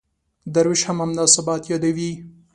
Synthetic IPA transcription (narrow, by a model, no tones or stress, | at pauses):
d̪aɾɪʃhamhamd̪ɑsabɑt̪jɑd̪awi